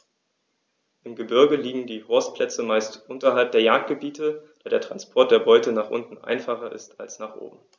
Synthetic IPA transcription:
ʔɪmɡəbɪɐɡəliːɡŋ̩diːhɔɐstpʰl̥ɛt͡səmaɪstʔʊntɐɦalp̚d̥eːɐjaːk̚t̚ɡ̥əbiːtəd̥aːdeːɐtʁ̥anspʰɔɐt̚d̥eːɐbɔʏtənaːχʔʊ̰ntn̩ʔa̰ɪnfaχɐʔɪ̰stalsnaːχʔo̰ːbm̩

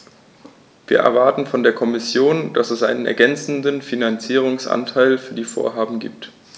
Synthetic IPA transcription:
v̥iːɐʔɛ̰ɐvaɐtn̩fɔndeːɐkʰɔmɪsjoːnd̥asɛsʔa̰ɪnənɛ̰ɐɡɛnt͡sn̩dənfinant͡siːʁ̞ʊŋsʔa̰ntʰaɪlfyːɐdiːfo̰ːɐɦaːbm̩ɡḭːp̚t

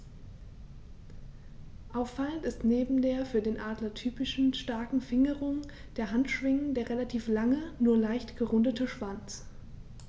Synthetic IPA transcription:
ʔaʊfːaləntɪstneːbm̩deːɐfyːɐdeːnʔaːdlɐtʰyːpɪʃn̩ʃtaɐkŋ̩fɪŋəʁʊŋ | d̥eːɐɦantʃv̥ɪŋəndeːɐʁelatʰiːflaŋənuːɐlaɪçtɡ̥əʁʊndətəʃv̥ant͡s

